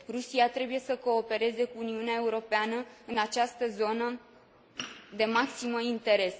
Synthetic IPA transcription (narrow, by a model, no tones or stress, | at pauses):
rusiat̪ɾe̞buje̞səko̞ːpe̞ɾe̞ze̞kuːniuneae̞uɾo̞peanəɨnat͡ʃast̪əzo̞nə | d̪e̞maksiməint̪e̞ɾe̞s